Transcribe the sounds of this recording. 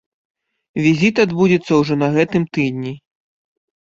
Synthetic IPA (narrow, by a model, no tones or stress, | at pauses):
vʲizʲit̪ad̪bud͡zʲɛt̪sːɐwʐɔnɐɣɛt̪ɨmt̪ɨd̪ʲnʲi